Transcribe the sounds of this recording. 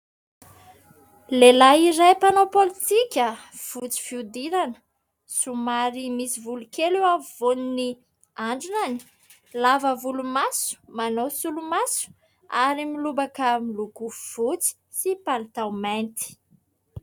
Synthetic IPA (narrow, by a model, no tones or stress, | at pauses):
lelaiɾajpanopolit̪ikʲə | v̥ut͡si̥fiud̪iɾanə̥ | sumaɾimisivulukeluwavonini | aɳɖ͡ʐinani̥ | lavəvulumasu̥manosulumasu̥ | aɾimilubakəmiluɡuv̥ut͡si̥sipalit̪awment̪i̥